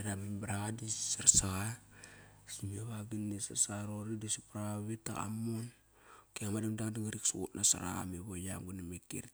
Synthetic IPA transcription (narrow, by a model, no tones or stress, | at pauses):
edamibɾadisaɾsa | simaβaɡinːisaɾsaɾoɾidisipɾaβita̰a̰mon | keŋamadamdaŋdaŋaɾiksuṵtnasa̰ɾa̰meβoja̰mɡunamikḭɾ